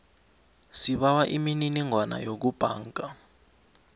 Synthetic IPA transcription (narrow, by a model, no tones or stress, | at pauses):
siɓawaʔimininiŋʱwana̰jok̬ub̥ʱa̰ːŋkʼa